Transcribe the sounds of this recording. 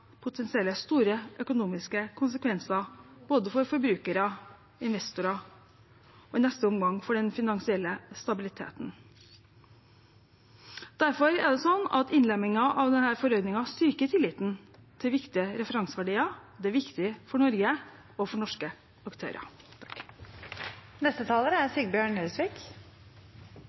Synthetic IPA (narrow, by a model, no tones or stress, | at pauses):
pʰʊt̪ʰɛnsɪɛlːəst̪uːɾəʔœkʊnuːmɪskəkʰʊnsəkʰʋɛnsɑb̥oːd̪əfɔɾfɔɾbɾʉːkəɾɑ | ɪnʋɛst̪ʊɾɑ | ɔɪnɛst̪əɔmɡɑŋfɔɖɛnfɪnɑŋsɪɛlːəst̪ɑbɪlɪt̪ʰḛːt̪n̩ | d̪̥æɾfɔɾæ̰ɖ̪ɛsɔnːɑ̰t̪ɪnlɛmːɪŋɑʔɑʋd̪ɛnhæːɾfɔɾœʏd̪nɪŋɑst̪ʏɾkət̪ʰɪlːɪt̪n | t̪ʰɪlʋɪkt̪ɪəɾɛfəɾɑŋsəʋæɖiːɑd̪ɛæɾʋɪkt̪ɪfɔɳɔɾɡə | ɔfɔɳɔʂkə | ɑkt̪ʰø̰ːɾʔɑ̰ | nɛst̪ət̪ʰɑːləɾəæɾsiɡbjøːɳœːsʋiːk